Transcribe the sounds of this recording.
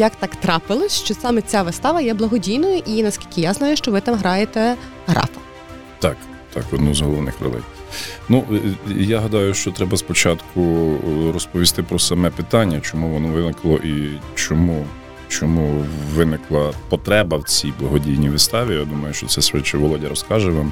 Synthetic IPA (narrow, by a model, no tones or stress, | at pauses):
jɐkt̪ɑkt̪ɾɑpɪlˠɔsʲʃt͡ʃɔsɑmɛt͡sʲaʋɪst̪ɑʋɐjɛblˠɐɦɔdʲijnɔjɐʔinɐskʲilʲkʲɪjaznɑjʊʃt͡ʃɔʋɪt̪ɑmɦɾɑjet̪ɛ | ɦɾɑ̰fɐ̥ | t̪ɑk | t̪ɑ̰kɔd̪nɔzɦɔlˠɔʋnɪ̰xɾɛ̰lˠɛ̰jnuʔjaɦɐd̪ɑjʊʃt͡ʃɔt̪ɾɛbɐspɔt͡ʃɑt̪kʰʊɾɔspɔʋʲist̪ɪpɾɔsɐmɛpɪt̪ɑnʲːɐt͡ʃɔmuʋɔnɔʋɪnɪklˠɔʔit͡ʃɔmu | t͡ʃɔmuʋɪnɪklˠɐpɔt̪ɾɛbɐwt͡sʲijblˠɐɦɔdʲijnʲiʋɪst̪ɑʋʲijad̪umɐjʊʃt͡ʃɔtsɛsʋɪt͡ʃɛʋɔlˠɔdʲiɾɔskɑʒɛʋɑm